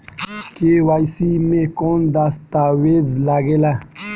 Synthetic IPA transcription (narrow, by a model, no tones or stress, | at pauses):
kewajsimẽkond̪ast̪awezlaɡela